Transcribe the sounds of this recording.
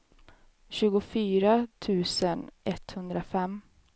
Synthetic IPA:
ɕʉ̟ːɡʊfyːɾat̪ʰʉ̟ːsənʔɛt̪hɵnd̪ɾafɛm

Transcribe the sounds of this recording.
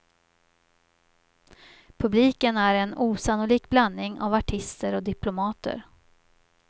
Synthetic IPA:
pʰɵbliːkənæɾɛnuːsanʊliːkblanːɪŋa̰vaʈʰɪst̪əɾɔd̪ɪpʰlʊmɑːt̪ə̰ɾ

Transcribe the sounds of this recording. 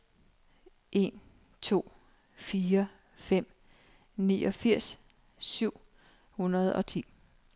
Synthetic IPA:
ʔe̝n | t͡sʰo̝̰ː | fiːɐ | fem̰ | nḭːʔɒ̽fiɐ̰s | syʊ̰ | hunɐð̞ˠɒ̽t͡sʰḭː

